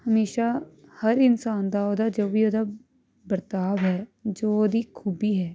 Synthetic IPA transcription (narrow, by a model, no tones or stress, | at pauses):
həmeːʃaːhəɾɪnsaːnd̪aːoːd̪aːd͡ʒoːʋiːoːd̪aː | bəɾt̪aːʋɦɛːd͡ʒoːoːd̪iːkʰuːbiːɦɛː